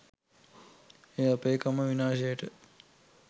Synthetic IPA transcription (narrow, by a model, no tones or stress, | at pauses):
eːəpeːkɐməʋinaːʃejəʈə